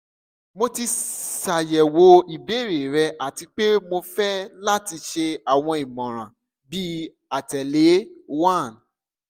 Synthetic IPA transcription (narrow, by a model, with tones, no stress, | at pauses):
mo˧ti˧sa˨jɛ˨wo˨˦i˨be˨˦˨ɾe˨ɾɛ˧ʔa˨ti˧k͡pe˦mo˧fɛ˦la˦ti˧ʃe˧a˨w̃ɔ̃˧i˨mɔ̃˨ɾ̃ã̰˨ | bi˦ | a˨tɛ˨le˨˦wã˦˨n